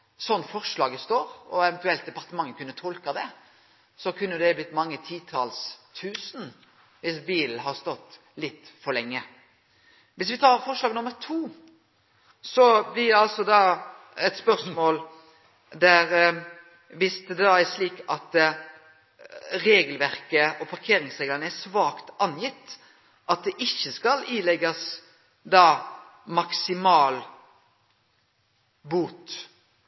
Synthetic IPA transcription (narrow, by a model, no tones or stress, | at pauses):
sɔnːfɔʁʂɭɑːɡəst̪oːɾɔɛʋɛnt̪ʉɛlt̪̚d̪ɛpɑʁt̪əmɑŋːəkʉnːət̪ʰɔlkɑd̪ɛ | sɔkʰʉnːəd̪ɛblɪt̪ːmɑŋːət̪ʰiːt̪ʰɑlst̪ʰʉːsn̩ | ʋɪsbiːln̩ɦɑɾst̪ɔt̪ː | lɪt̪ːfɔɾlɛŋːə | ʋɪsʋɪt̪ʰɑːɾfɔɾʂlɑːɡnʊməɾt̪ʰuː | sɔblɪd̪ɛɑlsɔd̪ɑː | ɛt̪spœɾsmoːl | d̪æɾ | ʋɪsd̪d̪ɛd̪ɑːæɾʂliːkɑt̪ | ɾeːɡəlʋæɾkəʔɔpʰɑɾkʰeːɾɪŋsʁeːɡlənəæsʋɑːkt̪ɑnjɪt̪ː | ʔɑt̪̚d̪ɛʔɪçːəskɑliːlɛɡɑs | d̪ɑː | mɑksɪmɑːl | buːt̪